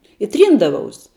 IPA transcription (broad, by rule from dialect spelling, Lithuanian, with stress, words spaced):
ɪ ˈtʲrʲiːndɐʋɐʊs